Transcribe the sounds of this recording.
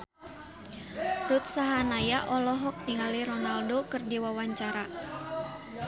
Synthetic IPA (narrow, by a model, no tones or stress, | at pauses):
rut̪̚saɦanajaʔɔlɔɦɔk̚niŋaliɾɔnaldokɨrdiwawaɲt͡ʃaɾa